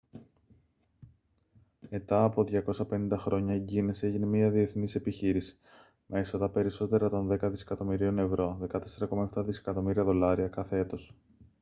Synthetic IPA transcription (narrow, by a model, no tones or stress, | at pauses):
me̞t̪ɐːpo̞ðʝɐko̞sɐpe̞nĩnd̪ɐxɾo̞ɲɐeɲɟinese̞ʝinemiɐðie̞θnise̞piçiɾisi̥ | mʔe̞sɐt̪ɐpe̞ɾiso̞t̪e̞ɾɐt̪o̞nðe̞kɐðise̞̥kɐt̪o̞miɾio̞ne̞vɾo̞ðe̞kɐt̪e̞se̞ɾɐko̞mɐe̞ft̪ɐðisekɐt̪o̞miɾiɐðo̞lɐɾiɐkɐθe̞e̞t̪o̞s